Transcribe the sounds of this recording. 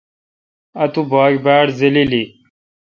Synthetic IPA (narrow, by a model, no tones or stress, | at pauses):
ɐt̪ubaːkbaːɽzilili